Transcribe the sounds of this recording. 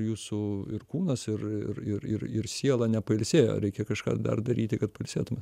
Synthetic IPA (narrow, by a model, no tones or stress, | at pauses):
juːsʊɪ̰rkuːnɐsɪrɪ̰rɪɪrɪrsʲiɛlˠɐnʲɛpɐɪlʲsʲeːjo̰ːɾʲɛɪkʲɛkɐʃkɑ̰ːd̪ɐ̰rd̪ɐɾʲiːt̪ʲɪkɐt̪̚pɐɪlʲsʲeːt̪ʊmʲe